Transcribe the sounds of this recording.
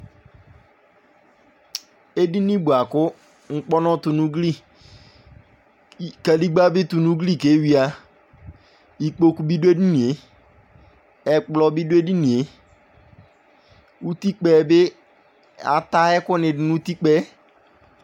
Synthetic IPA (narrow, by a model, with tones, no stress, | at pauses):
e˦di˦nĩ˦bu˨a˨kʊ˦ | ŋ̩˦k͡pɔ˦nɔ̃˦tʊ˨nũ˦ɡli˦ | ka˨li˦ɡ͡ba˦bɪ˦tʊ˨nũ˦ɡli˦˨ke˨˦wi˦a˨ | i˨k͡po˦ku˦bi˦dʊ˦e˦di˦nĩ˨e˨ | ɛ˨k͡plɔ˨bi˦dʊ˦e˦di˦nĩ˨e˨˦ | u˦t̪i˦k͡pɛː˨bɪ˦ | a̰˨ta˦ɛ˦kʊ˦nɪ̃˨ɪ˨˦nʊ̃˦t̪i˦k͡pɛ˦